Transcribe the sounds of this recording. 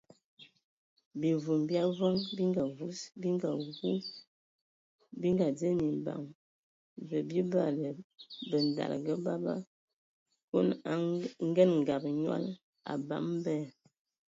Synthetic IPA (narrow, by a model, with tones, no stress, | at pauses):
bi˨vu˨mbja˦vɔ˦ŋbi˦ŋɡa˨vu˦sbi˦ŋɡa˨ɡu˦ | bi˦ŋɡa˨d͡ze˦mi˨ba̰˨ŋ | və˨bi˦ba˦˨lə˨bə˨n˨da̰˨lɡə˦ba˦ba̰˦ | ko̰˦n˦ŋ˦ɡɛ˦nŋ˨ɡa˨bɲwa̰˦l | a̰˨ba̰˨˦mbɛ˦˨